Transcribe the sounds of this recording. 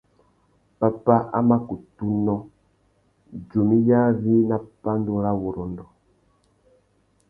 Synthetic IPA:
pa˨pa˦a˦ma˦ku˨tu˦nɔ˦ | d͡ʒu˨mi˦ja˦vi˦na˦pa˦ndu˦ɾa˦wo˨ɾɔ˨ndɔ˨

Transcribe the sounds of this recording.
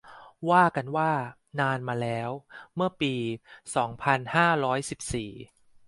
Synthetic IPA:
waː˥˩ka˧nwaː˥˩ | naː˧nmaː˧lɛː˦˥wmɯ˥˩ɐpiː˧sɔː˩˦ŋpʰa˧nhaː˥˩ɾɔː˦˥jsi˨˩p̚siː˨˩

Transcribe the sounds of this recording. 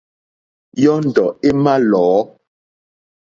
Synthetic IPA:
jɔ˦n̩˨dɔ˨e˦ma˦lɔː˨˦

